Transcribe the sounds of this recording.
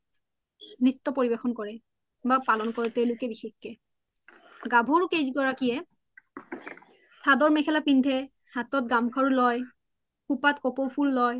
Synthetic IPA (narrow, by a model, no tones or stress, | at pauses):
nɹit̪ːɔpoɹibexɔnkɔɹɛ | bapalɔnkɔɹɛteʊ̃lʊkɛbixexkɛ | ɡabʱuɹkejzɡɔɹakijɛ | sʰadɔɹmɛxʰɛlapindʱɛ | hatɔt̚ɡamkʰaɹulɔj | xupatkɔpowpʰulːɔj